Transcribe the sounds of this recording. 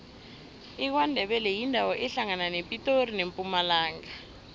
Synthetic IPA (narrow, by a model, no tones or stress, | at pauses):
ik̬wandʱɛɓɛlɛjindʱawɔʔɛɬaŋananepʼitʼorinempʼumalaːŋa